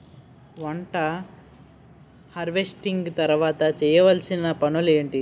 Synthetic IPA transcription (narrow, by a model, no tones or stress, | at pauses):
ʋɐɳʈɐ | hɐɾʋesʈiŋɡt̪ɐɾʋaːt̪ɐt͡ʃɛːjɐʋɐlsinːɐpɐɳɐleːɳʈi